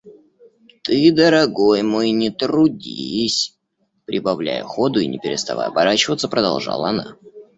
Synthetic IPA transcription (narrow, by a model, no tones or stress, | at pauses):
t̪ɨd̪əɾɐɡojmojnʲɪt̪ɾʊdʲisʲ | pɾʲɪbɐvlʲæ̰jʊ̰xod̪ʊinʲɪpʲɪɾʲɪst̪ɐva̰jɐbɐɾat͡ɕɪvət̪səpɾəd̪ɐlˠʐa̰lˠɐna